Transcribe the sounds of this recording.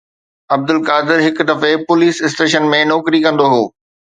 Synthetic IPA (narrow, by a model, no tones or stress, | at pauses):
ɐb̚d̪ʊlkaːd̪ɪɾɦɪkʊd̪ɐfepʊliːsɪsʈeːʃənmẽnɔːkɾikɐ̃nd̪oɦoː